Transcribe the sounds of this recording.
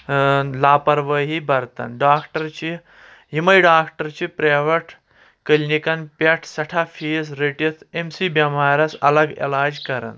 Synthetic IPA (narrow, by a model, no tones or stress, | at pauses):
laːpɐɾʋɐɦibɐɾt̪ɐ̰nɖaːkʈɐɾt͡ɕi | ɦimɐjɖaːkʈɐɾt͡ɕipɾeːʋɐʈʰ | kəlnikɐnpʲɐʈʰsɐʈʰafʰiːsɾiʈit̪ʰemsibɐmaːɾɐsɐlɐɡḛlaːd͡ʒkɐɾɐ̰n